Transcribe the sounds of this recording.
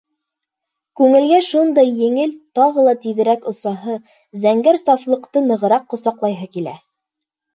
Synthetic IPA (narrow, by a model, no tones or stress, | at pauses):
kʉŋɘ̆lɡæʃund̪ɑjːɘ̆ŋɘlt̪ɑʁɤlˠɑt̪iðɘ̆ɾækŏsɑɦɤ | zæŋɡæɾsɑflˠɤ̆qt̪ɤnɤ̆ʁɤ̆ɾɑqːŏsɑqlˠɑjɦɤkilæ̰